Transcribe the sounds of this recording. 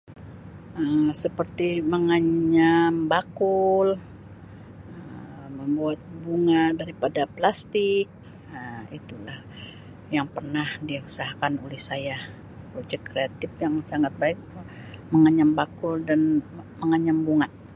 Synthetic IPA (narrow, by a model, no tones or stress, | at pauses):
əmsəpərt̪iməŋaɲambakul | ə | məmbuat̪̚buŋadaɾipadaplast̪ɪk̚ | əit̪ulah | jaŋpərnahdiusaɦakanulɪhsaja | prod͡ʒɛkːɾeat̪ɪfjaŋsaŋat̪̚baɪk̚ | məŋaɲambakʊldanməŋaɲambuŋa